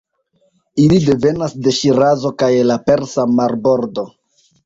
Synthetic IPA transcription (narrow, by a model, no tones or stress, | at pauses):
ilide̞ve̞nasde̞ʃiɾazo̞kajlape̞ɾsamaɾbo̞ɾdo̞